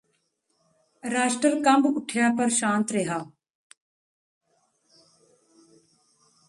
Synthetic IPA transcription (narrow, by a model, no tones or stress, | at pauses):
ɾaːʃʈɾəlkɐ̃mbʊʈʰjaːpɐɾʃãːnt̪ɾeɦaː